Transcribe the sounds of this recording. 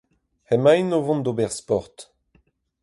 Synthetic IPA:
hɛmajnovɔ̃nd̪obɛʁspɔʁt̪

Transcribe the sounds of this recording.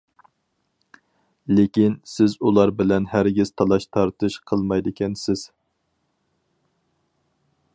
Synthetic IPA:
lɪkʲinsɪzulˠɑɾbɪlɛnhæɾɡʲiz̥t̪ʰɑlˠɑʃt̪ʰɑɾt̪ʰɨʃqʰəlˠmɑjd̪ɨkʲʰɛnsɪz̥

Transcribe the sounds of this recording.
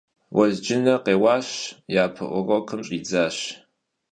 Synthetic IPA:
wʔɐzd͡ʒɪnɐqeːwɑːɕjaːpʰɨ̰ʔʷɔʁɐkʰɨmɕʼiːd͡zaːɕ

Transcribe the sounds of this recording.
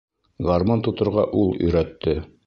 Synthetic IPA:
ɡɑɾmɑnt̪ŏt̪ŏɾʁɑ̰ʔulˠɵ̰̆jɾæt̪ːɘ

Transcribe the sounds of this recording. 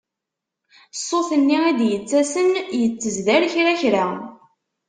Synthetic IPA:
sˤːoθənːiæd̪jət͡sːæsənjət͡sːəzðæɾçɾæçɾa

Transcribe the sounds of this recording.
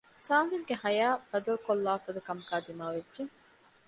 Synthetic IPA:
saːnlimɡeɦɐjaːb̥ɐd̪ɐlukolːaːfɐd̪ɐkɐmɐkaːd̪imaːʋed͡ʒʒeŋ

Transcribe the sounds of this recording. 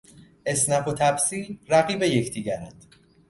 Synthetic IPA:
ʔe̞snæfo̞t̪ʰæbsiːlræɣiːbe̞je̞cʰd̪iːɟæɾænd̪̥

